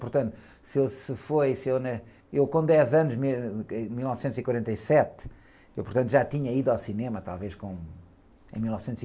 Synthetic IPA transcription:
puɾt̪ɐ̃nt̪u | sewsɨfojsewnɐ | ewkõd̪ɛzɐnuʒmẽmilˠnɔvsẽnt̪z̥ikwɐɾẽnt̪ɐjsɛt̪ | ewpʊɾt̪ɐ̃nt̪uʒat̪iɲɐiðawsinemɐt̪a̰lˠveʃkõ | ẽj̃milˠnɔvsẽnt̪zi

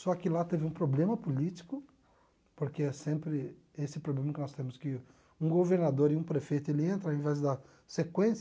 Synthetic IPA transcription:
sɔkɪlat̪evɪũpɾoblẽmɐpolit͡ʃi̥kʊ | poɾkeɛsẽmpɾɪ | esɪpɾoblẽmɐkɪnɔst̪ẽmʊskɪ | ũɡoveɾnad̪oɾɪũpɾefejt̪ʊelɪẽnt̪ɾɐaẽvɛzd̪ɐ | sekwẽs

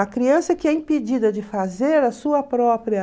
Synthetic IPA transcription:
ɐkɾiɐ̃sɐkɪɛĩped͡ʒid̪ɐd͡ʒɪfazeɾɐsuɐpɾɔpɾiɐ

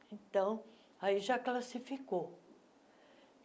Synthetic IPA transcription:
ẽt̪ɐ̃w̃ | aiʒaklasifiko

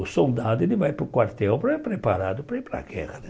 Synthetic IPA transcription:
sold̪aːd̪ɪd̪ɪvajpɾukwart̪ɛɔpɾɛpɾepaɾaːd̪upɾɛpɾa̰ɡɛ̰ʁad̪

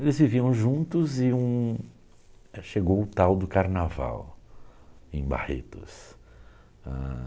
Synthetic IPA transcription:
elɪzviviɐ̃w̃ʒũnt̪ʊzɪũ | ʃeɡowʊt̪awd̪ʊkaɾnava̰w | ẽj̃ba̰hḛt̪ʊ̰s | a̰

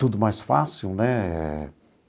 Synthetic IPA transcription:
t̪ud̪ʊmajsfa̰siwnɛɛ̰

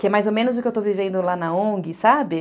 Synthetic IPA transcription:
kɪɛmajzomẽnʊzʊkɪewt̪ovivẽnd̪ʊlanɐõɡɪsabɪ

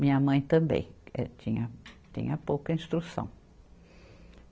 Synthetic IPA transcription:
mĩɲɐmɐ̃j̃t̪ɐ̃mbḛ̃j̃ɛ̰t͡ʃ̪ĩɲɐt̪ḭ̃ɲɐpowkɐĩst̪ɾusɐ̰̃w̃

